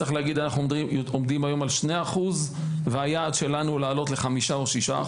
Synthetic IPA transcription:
aχleaɡid̪anaχnuomd̪imajo̞malʃneaχuz | veajaːd̪ʃe̞lanulaːlo̞t̪le̞χamiʃaoʃiʃa̰

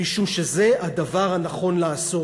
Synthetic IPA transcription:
iʃumʃeze̞ʔad̪avaʁhanaχo̞nlaːso

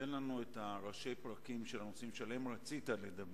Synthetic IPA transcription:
jenlanuetaʁaʃe̞jpʁakimʃelanosimʃale̞mʁat͡sit̪aled̪ab

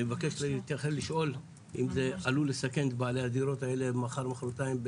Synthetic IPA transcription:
evake̞ʃlt̪eχelliʃʔo̞l | ʔimze̞alulesake̞nt̪baʕalead̪iɾo̞t̪ae̞lemaχaʁmaχɾot̪aimb

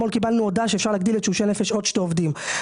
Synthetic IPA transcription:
olkibalnuod̪aʃefʃaʁlaɡ̚d̪ilet̪ʃuʃenefeʃo̞d̪ʃt̪eovd̪im

